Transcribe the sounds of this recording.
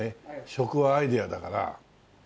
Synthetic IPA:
eɕo̞kɯ̟βaːid̪ead̪akaɾa̰

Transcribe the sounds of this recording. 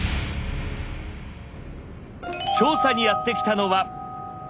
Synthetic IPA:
t͡ɕo̞ːsaɲ̟ijat̪ːe̞kʲi̥t̪ano̞βa

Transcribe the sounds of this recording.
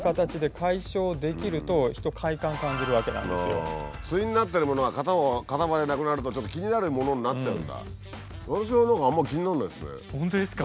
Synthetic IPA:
kat̪at͡ɕid̪e̞kʰaiɕo̞ːd̪e̞kʲiɾɯ̟t̪o̞çi̥t̪o̞kʰaikãŋkãɲ̟d͡ʑiɾɯ̟βake̞nã̰n̰sɨjot͡sɨiɲ̟inat̪ːeɾɯ̟mo̞noɡakat̪akat̪aβad̪enakɯ̟naɾɯ̟t̪ot͡ɕo̞t̪ːokʲiɲ̟inaɾɯ̟mo̞no̞ɲʲnat͡ɕt͡ɕaɯ̟̰̃nd̪a̰ | nonɕ̬ionãŋkaːmːakʲiɲ̟inaɾɯnad̪sɨnḛõnt̪oesɨ̥ka

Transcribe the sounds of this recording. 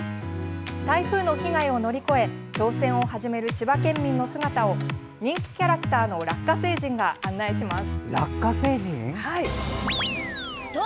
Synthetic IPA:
t̪aiɸɯ̟ːno̞çiɡaio̞no̞ɾʲiko̞e̞t͡ɕo̞ːsẽ̞ɰ̃o̞haʑime̞ɾɯ̟t͡ɕibakẽ̞mːʲĩnːo̞sɨɡat̪ao̞ | ɲ̟ĩŋkʲi̥kʲaɾakɯ̟̥t̪aːno̞ɾakːase̞ːʑĩŋɡaʔãnːaiɕimasɨ̥ɾakːase̞ːʑĩhai

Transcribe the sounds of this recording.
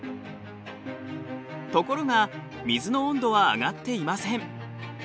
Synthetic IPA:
t̪o̞ko̞ɾo̞ɡa | mʲizɨnõ̞ːnd̪o̞βa̰ːɡat̪ːe̞imasẽ̞ɴ

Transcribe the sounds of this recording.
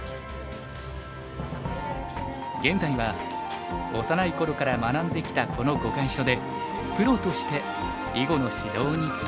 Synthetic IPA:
ɡẽ̞nd͡zaiβa | o̞sanaiko̞ɾo̞kaɾamanãnd̪e̞kʲi̥t̪ako̞no̞ɡo̞kaĩɕo̞d̪e̞ | kɯ̟ɾo̞t̪o̞ɕi̥t̪e̞ | iɡo̞no̞ɕid̪o̞ːɲ̟it͡sɨ̥

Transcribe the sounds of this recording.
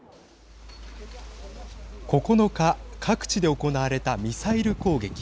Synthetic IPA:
ko̞ko̞no̞kakʰakɯ̟̥t͡ɕid̪e̞o̞ko̞naβaɾe̞t̪amʲisaiɾɯ̟ko̞ːɡe̞kʲi̥

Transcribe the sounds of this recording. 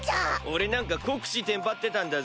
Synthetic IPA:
t͡ɕaoɾe̞nãŋkakokɯ̥ɕit̪ẽmpat̪ːe̞t̪ãnd̪a

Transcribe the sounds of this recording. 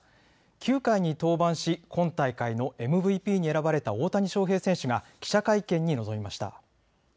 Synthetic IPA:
kʲʰɨːkaiɲ̟it̪o̞ːbãɰ̃ɕikõ̞nt̪aikaino̞ʔe̞mɯ̟bɯ̟ipʲiːɲ̟ie̞ɾabaɾe̞t̪ao̞ːt̪aɲ̟iɕo̞ːɦe̞ːsẽ̞ɕɯɡakʲi̥ɕakaikẽ̞ɲ̟ːino̞zo̞mʲimaɕi̥t̪a̰

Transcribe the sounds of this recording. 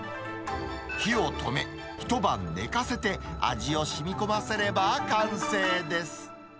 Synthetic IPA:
çio̞t̪ʰo̞̰me̞ | çi̥t̪o̞bã̰nːe̞̰kase̞t̪e̞a̰ʑio̞ɕimʲiko̞mase̞ɾe̞bakãɰ̃se̞ːd̪e̞sɨ̥

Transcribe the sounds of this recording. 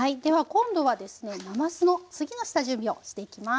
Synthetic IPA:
aid̪e̞βakõ̞nd̪o̞βad̪e̞sɨne̞namasɨno̞t͡sɨɡʲinosɨ̥t̪aʑɯ̃mbʲio̞ɕi̥t̪e̞ikʲima

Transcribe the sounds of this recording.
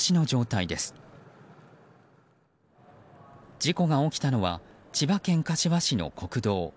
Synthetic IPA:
ɕino̞d͡ʑo̞ːt̪aid̪e̞sɨ̥ | d͡ʑiko̞ɡao̞kʲi̥t̪ano̞βa̰ | t͡ɕibakẽ̞ŋkaɕiβaɕino̞̰kʰo̞kɯ̟d̪o̞ː

